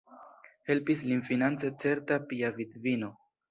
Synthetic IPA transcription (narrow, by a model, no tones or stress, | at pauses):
he̞lpislinfinant͡set͡se̞ɾtapiavidvino̞